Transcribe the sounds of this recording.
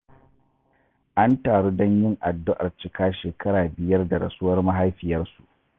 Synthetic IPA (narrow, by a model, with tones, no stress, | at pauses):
ʔa˦ntaː˨ɽuː˦dɔ˦ɲjɪ˦ŋʔa˨dːʊ˦ʔa˨rt͡ʃɪ˨kʰaː˦ʃeː˨kʰɐ˦ɽaː˨bɪ˨jɐ˦rda˨ɽɐ̰˨sʊ˦wɐ˦rma˦ɦa˦jɸɪ˨jɐ˦rsu˨ʔ